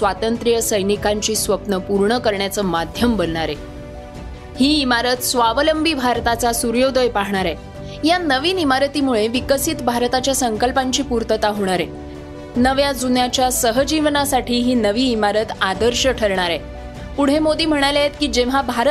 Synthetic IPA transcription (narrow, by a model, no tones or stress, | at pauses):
sʋat̪ənt̪ɾijəsəjnikaɲt͡ɕiːsʋəpnəpuɾɳəkəɾɳjat͡səːmad̪ʱjəmbəlɳaɾe | hiːimaɾət̪sʋaʋləmbʱibʱaɾt̪at͡sasuɾjod̪əjpaɦɳ̃aɾɛ | janəʋiːnimaɾət̪iːmuɭeʋikəsiːt̪bʱaɾt̪at͡ɕjasəŋkəlpaɲt͡ɕiːpuɾt̪ət̪aɦoɽ̃aɾe | nəʋjad͡zunjat͡ɕjasəɦəd͡ʑiʋnasaʈʰiːɦiːnəʋiːmaɾət̪ad̪əɾɕəʈʰəɾɳaɾɛ | puɽ̤ɦemod̪iːm̤əɽ̃aljet̪kiːd͡ʑeʋ̤abʱaɾə